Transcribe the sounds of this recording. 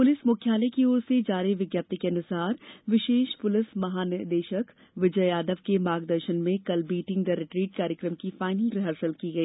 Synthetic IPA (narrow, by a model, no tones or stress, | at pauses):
pʊlɪsmʊkʰjaːləjkioːɾsed͡ʒaːɾeʋɪɡjaːp̚t̪ikeɐnʊsaːɾʋɪʃeːʃpʊlɪsmɐɦaːnɪd̪eːʃək | ʋɪd͡ʒəjaːd̪əʋkemaːɡd̪əɾʃənmẽkɐlbiːʈɪ̃ŋɡd̪ɐɾɪʈɾiːʈ̚kaːɾjəkɾəmkifaːɪnəlɾɪɦəɾsəlkiɡɐiː